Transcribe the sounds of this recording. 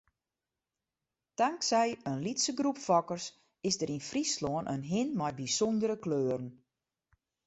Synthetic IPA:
d̥aŋksɛjənlitsəɡrupfɔkərs | ɪsdəɾinfrisloənʔənɦɪnmɔjbisɔndəɾəkløːəɾən

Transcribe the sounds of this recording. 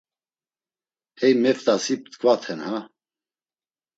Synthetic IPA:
hɛjmɛft̪asip̚t̪ʰkʰʼvat̪ʰɛnha

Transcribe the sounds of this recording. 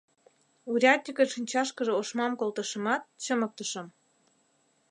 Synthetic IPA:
uɾʲɑt̪ʲːəkʲəʃinʲt͡ɕɑʃkə̆ʒĕoʃmɑmkolt̪ə̆ʃə̆mɑt̪̚t͡ɕəmə̆k̚t̪əʃɤ̆m

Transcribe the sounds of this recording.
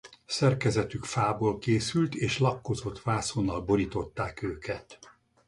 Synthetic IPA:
sɛrkɛzɛt̪ykfaːboːlkeːsylt̪eːʃlɒkːo̞zot̪ʋaːsonːɒlbo̞ɾit̪o̞t̪ːaːkøːkʰɛt̪

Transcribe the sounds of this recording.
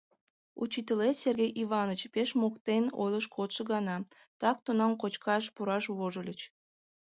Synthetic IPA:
ut͡ɕit̪əleserɣʲejʔiβɑnət͡ɕpeʃmokt̪eno̰jlˠəʃkʰot̪ʃəɣɑnɑ | t̪ɑk̚t̪unɑmkot͡ɕkɑʃpuɾɑʃβoʒəlʲət͡ɕ

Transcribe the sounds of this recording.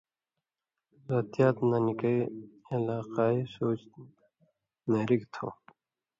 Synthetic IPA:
ɾɐt̪ijaːt̪nɐnikəielaːqaːisoːt͡ɕ | meɾikt̪ʰo̰ː

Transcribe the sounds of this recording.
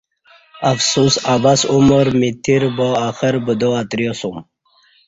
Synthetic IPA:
afsusabasumoɾmit̪ʰiɾbɔaxəɾbəd̪oat̪ɾijosum

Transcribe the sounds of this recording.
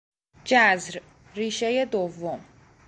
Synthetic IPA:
d͡ʒæzɾ | ɾiːʃeje̞d̪ovːom

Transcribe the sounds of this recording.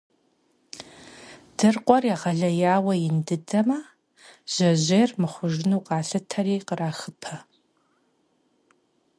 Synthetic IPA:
d̥ɨrqʷʼɔrjaʁɐɮɐjaːwɐjɪndɨdɐmɐ | ʑ̥ɐʑeːrmɨχʷʊʒɪnuːqʼɑːɬɨtʰɐɾiːqəraːxɨpʰɐ

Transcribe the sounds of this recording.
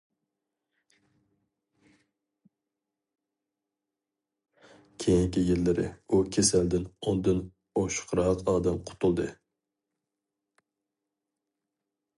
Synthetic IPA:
kʲʰejiŋkʲijilːɪɾɪ̰ukʲʰesæld̪ɪnond̪ɨn | oʃqʰɾɑqɑːd̪ɛmqʰʊ̥t̪ʰulˠd̪ɨ

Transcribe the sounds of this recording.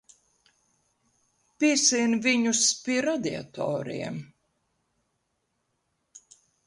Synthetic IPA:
piɛsinviɲuspiɛɾad̪ia̰t̪ɔ̰ːɾḭɛm

